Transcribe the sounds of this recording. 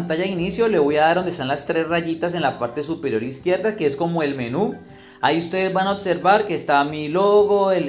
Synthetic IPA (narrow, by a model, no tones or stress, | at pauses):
nt̪aʝaðinisjo̞le̞βo̞jaðaɾdond̪est̪anlast̪ɾe̞sraʝit̪as̬e̞nlapaɾt̪e̞supeɾjo̞ɾiskje̞ɾd̪ake̞esko̞mo̞e̞lme̞nu | aiust̪e̞ðe̞zbanaobse̞ɾbaɾke̞ːst̪amiloɣo̞el